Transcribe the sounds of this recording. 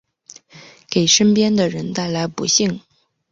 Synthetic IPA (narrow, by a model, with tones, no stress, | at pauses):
ke˨˩ɪʂə˥npjɛ˥nd̪ə˨ɻə˧˥nt̪a˥˩ɪla˧˥ɪpṵ˧˥ɕi˥˩ŋ